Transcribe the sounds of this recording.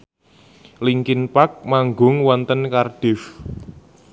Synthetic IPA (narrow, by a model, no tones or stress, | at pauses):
liŋkinpak̚maŋɡʊŋwɔnt̪ənkarɖ̥ɪf